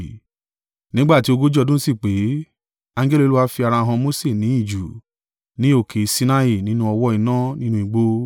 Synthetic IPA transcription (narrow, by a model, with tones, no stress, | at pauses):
nĩ˨˦ɡ͡ba˦˨ti˨˦o˧ɡo˦d͡ʒdũ˦si˦˨k͡pe˨˦ | a˧˦ɡe˦li˦˧lu˦wa˦fi˧a˧ɾa˧ɦã˧mo˦se˦˨nĩ˨˦i˦˨d͡ʒu˨ | nĩ˨˦o˦˨kʰe˨˧˨si˦na˦i˦˨nĩ˦nũ˦ɔ˧wɔ˦i˧nã˦nĩ˦nũ˦i˨˧ɡ͡bo˧